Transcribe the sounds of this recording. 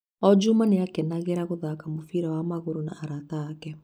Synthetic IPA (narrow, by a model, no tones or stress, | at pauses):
ɔd͡ʒumaneakɛnaɣeɾaɣoðakamofiɾawamaɣoɾuna̰ʔːɾataːkɛ